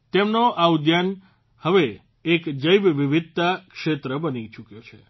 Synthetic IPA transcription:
t̪emnoʔaud̪jan | həʋeː | kd͡ʒəjbʋiʋid̪̚t̪akʃet̪ɾəbənit͡ʃukjot͡ʃʰe

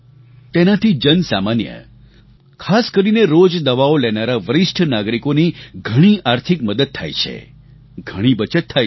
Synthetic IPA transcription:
t̪enat̪ʰid͡ʒənsa̰manjə̰ | kʰaskəɾineɾod͡ʒd̪əʋaolɛnaɾaʋəɾɪʃʈʰnaɡɾikoniɡʱəɽ̃iʔaɾt̪ʰikməd̪əd̪̚t̪ʰa̰jt͡ʃʰḛ | ɡʱəɽ̃ibət͡ʃət̪ʰːa

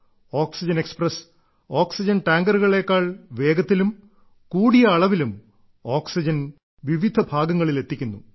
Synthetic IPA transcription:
o̞ːksid͡ʑɐneksprɐs | o̞ːksid͡ʑɐnʈaːŋɡɐruɣɐɭe̞ːkːaːɭʋe̞ːɡɐt̪ːilum | kuːɽijɐɐɭɐʋilum | o̞ːksid͡ʑɐn | ʋiʋid̪ʱɐbʱaːɡɐŋːɐɭile̞t̪ːikʲːunːu

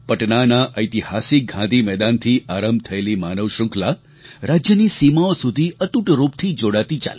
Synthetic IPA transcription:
pəʈnanaʔəjt̪ihasik̚ɡʱãd̪ʱimɛd̪ant̪ʰiʔaɾəmbt̪ʰəelimanəʋʃʊ̃ŋkla | ɾad͡ʒjənisimaosud̪ʱiət̪uʈɾupt̪ʰid͡ʒoɽat̪it͡ʃa̰l

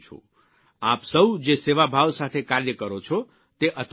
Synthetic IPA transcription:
t͡ʃʰo̰ | apsəwd͡ʒeseʋabʱaʋsat̪ʰekaɾjəkəɾot͡ʃʰo | t̪eʔət̪

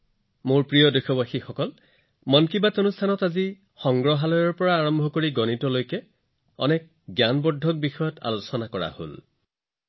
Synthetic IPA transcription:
moɹpɹijɔdojxʰɔbaxixɔkɔl | mɔnkibatonustʰanɔtazi | xɔŋɡɹɔɦalɔjɔɹpɔɹaːɹɔmbʱɔkoɹiɡɔnitɔlojkɛ | ɔ̰nɛk̚ | ɡjanbɔdʱɔk̚bixɔjɔtʰa̰lusɔnakɔɹa̰ho̰l

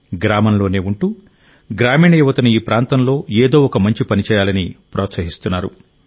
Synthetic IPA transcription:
ɡɾaːmɐnlo̞ːne̞ːuɳʈuː | ɡɾaːmiːɳɐjuʋɐt̪ɐnuiːpɾaːnt̪ɐnlo̞ːeːd̪o̞ːɔkɐmɐɲt͡ʃipɐnit͡ʃɛːjaːlɐnipɾɔːt̪sɐɦist̪unːaːɾṵ

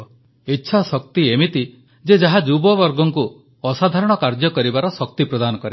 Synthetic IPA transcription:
itːʃʰasɔk̚t̪iemit̪i | d͡ʒed͡ʒaɦad͡ʒubɔbɔɾɡɔŋku | ɔsad̪ʱaɾɔɽ̃ɔkaɾd͡ʒjɔkɔɾibaɾɔsɔk̚t̪ipɾɔd̪anɔkɔɾe

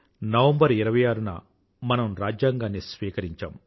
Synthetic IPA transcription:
nɐʋɐmbɐɾiɾɐʋɐjaːɾunɐ̰ | mɐnɐmɾaːd͡ʒjaːŋɡaːnːisʋiːkɐɾiɲt͡ʃa̰ːm

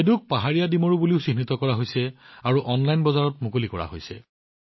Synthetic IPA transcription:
eduk̚paɦaɹijadimoɹubuliʊsinitɔkɔɹaɦojsɛaɹuʔɔnlajnbɔzaɹɔtmukolikɔɹa̰ɦo̰jsɛ̰

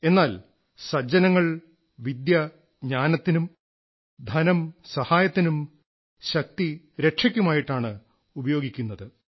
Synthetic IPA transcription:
e̞nːaːl | sɐd͡ʑɐnɐŋːɐɭ | ʋid̪jɐ | ɲaːnɐt̪ːinum | d̪ʱɐnɐmsɐhaːjɐt̪ːinum | ɕɐk̚t̪i | ɾe̞ʈʂɐkʲːumaːjiʈːaːɳɨ | ubɐjo̞ːɡikʲːunːɐðɨ

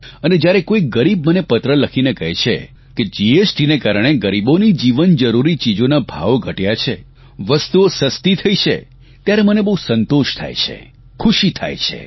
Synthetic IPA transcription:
əned͡ʒjaɾekoiɡəɾib̚mənepət̪ɾələkʰinekəɦɛt͡ʃʰḛ | ked͡ʒiesʈinekaɾəɳɽ̃eɡəɾibonid͡ʒiʋənd͡ʒəɾuɾit͡ʃid͡ʒonabʱa̰ʋoɡʱəʈjat͡ʃʰe | ʋəst̪uosəst̪it̪ʰəit͡ʃʰḛ | t̪jaɾemənebəɦũsənt̪oʃt̪ʰa̰jt͡ʃʰḛ | kʰuʃit̪ʰa̰jt͡ʃʰḛ

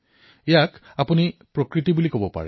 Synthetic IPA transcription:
ɛjakapunipɹokɹitibulikobɔpa̰ɹɛ̰

